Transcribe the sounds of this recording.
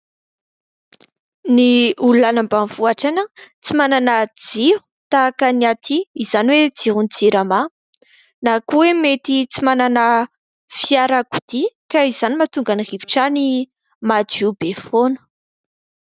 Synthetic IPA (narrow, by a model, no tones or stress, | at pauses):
niuluanambanv̥uaʈ͡ʂanət͡simananəd͡zihu̥t̪akəniat̪ʰiːz̥aniwed͡ziɦunid͡ziɾama | nakuwemet̪it͡simananə | fiaɾakud̪̥ikaiz̥animat̪uŋɡanirivi̥ʈ͡ʂani | mad͡ʒubefonə̥